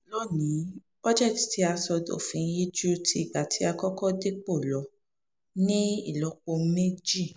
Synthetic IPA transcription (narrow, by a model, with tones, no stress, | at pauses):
lɔ˦nĩ˨˦ | ɔ˦d͡ʒɛ˦˨ti̥˨ti˨˧˦a˧sɔ˧do̰˨fĩ˨˧˦ji˦d͡ʒu˦tʰi˧˦i˦˨ɡ͡ba˨tʰi˨˦a˧kɔ˦kɔ˦de˦k͡po˦˨lɔ˨˦ | nĩ˦i˦˨lɔ˨˦k͡po˧˦me˦d͡ʒi˦˨